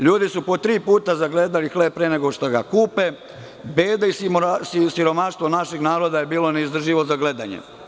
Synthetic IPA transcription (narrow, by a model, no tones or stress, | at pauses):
ʎuːd̪isupo̞t̪ɾiːpuːt̪azaɡle̞ːd̪alixleːb̚pɾene̞ɡoʃt̪oɡa̰kuːpe̞ | beːd̪aisimsisiɾo̞maʃt̪ʋo̞naʃiɡnaːɾo̞d̪aje̞biːlo̞neizd̪r̩ʒiʋo̞zaɡle̞d̪a̰ɲḛ